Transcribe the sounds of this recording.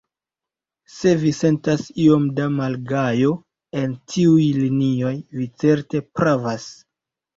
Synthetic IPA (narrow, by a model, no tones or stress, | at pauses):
se̞vise̞ntasio̞mdamalɡajo̞ | e̞ntʰiujlinio̞jvit͡se̞ɾte̞pɾavas